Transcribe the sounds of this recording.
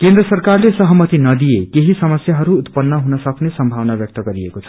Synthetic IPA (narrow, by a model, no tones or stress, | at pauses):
kend̪rʌsʌrkarlesʌɦʌmʌt̪inʌd̪ijekeɦisʌmʌsjaɦʌɾuːt̪pʌnːʌɦunʌsʌknesʌmbʱawnabjʌk̚t̪ʌɡʌɾiekot͡sʰʌ̥